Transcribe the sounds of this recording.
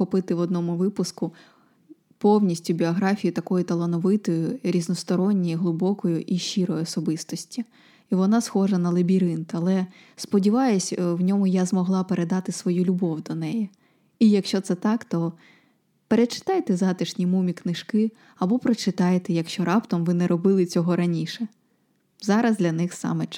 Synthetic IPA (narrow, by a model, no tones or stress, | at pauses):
xɔpɪt̪ɪʋɔd̪nɔmʊʋɪpʊskʊ | pɔwnʲisʲtʲʊbʲiɔɦɾɑfʲijit̪ɐkɔjʊt̪ɐlˠɔnɔʋɪt̪ɔjʊɾʲiznɔst̪ɔɾɔnʲːijiɦlˠʊbɔkɔjʊʔiʃiɾɔjɔsɔbɪst̪ɔsʲtʲi | iʋɔnɑsxɔʒɐnɐlˠebʲiɾɪnt̪ɐlˠɛ | spɔdʲiʋɑjʊsʲwnʲɔmʊjazmɔɦlˠɑpeɾʔed̪ɑt̪ɪsʋɔjulʲʊbɔwd̪ɔnɛjɛ | ijɐkʃt͡ʃɔt̪sɛt̪ɑkt̪ɔ | peɾet͡ʃɪ̥t̪ɑjt̪ɛzɑt̪ɪʃnʲimumʲiknɪʃkɪ | ɐbɔpɾɔt͡ʃɪt̪ɑjet̪ɛjɐkʃt͡ʃɔɾɑpt̪ɐmʋɪnɛɾɔbɪlˠɪt͡sʲɔɦɔɾɐnʲiʃɛ | zɑɾɐzd̪lʲɐnɪxsɑ̰mɛ